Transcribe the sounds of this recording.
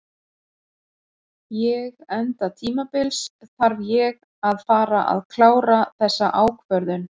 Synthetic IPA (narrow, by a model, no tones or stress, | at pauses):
jɛɣɛnt̪at̪ʰiːmapɪlsθaɾvjɛɣ | aðfaːɾaʔa̰ðkʰlaːwɾaθɛsːaʔaːwkʰvœɾðʏn